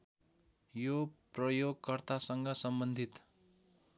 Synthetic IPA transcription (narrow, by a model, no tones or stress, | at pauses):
joprʌjoɡkʌrt̪asʌŋɡʌsʌmbʌnd̪ʱit̪